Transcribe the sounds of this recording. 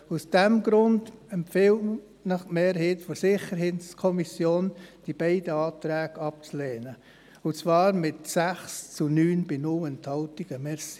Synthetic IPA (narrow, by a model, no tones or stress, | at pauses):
usd̥ɛmɡɾʊndɛmpfɪl | nɑχmeːɾɦeːtfɔɾsɪχəɾɦetskʰɔmisjoːnd̥ib̥ɛɪd̥əɑːt̪ɾɛːɡ̥ɑp̚t͡sleːnə | ʊt͡svɑːɾmɪtsæχst͡sunyːnb̥ɪnʊlənthɑʊtiɡ̥əmɛs